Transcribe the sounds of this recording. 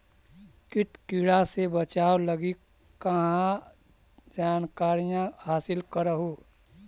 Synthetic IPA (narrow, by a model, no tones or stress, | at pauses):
kɪʈkiɽasebət͡ʃaːwləɡi | kəɦã | d͡ʒaːnkaːɾijãhaːsɪlkəɾəɦoː